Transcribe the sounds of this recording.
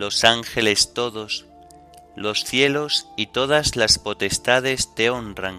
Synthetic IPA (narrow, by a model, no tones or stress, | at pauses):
lo̞saŋxe̞le̞st̪o̞ðo̞s | lo̞sθjelosit̪o̞ð̞azlaspo̞t̪e̞st̪að̞e̞st̪e̞o̞ndraŋ